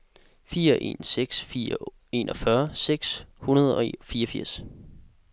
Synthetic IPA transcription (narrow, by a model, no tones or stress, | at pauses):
fiːɐʔe̝̰ːnseɡ̥sfiːɐ | e̝nʔɒ̽fɶɐseɡ̥shunɐð̞ˠɒ̽fiːɐɒfiɐ̰s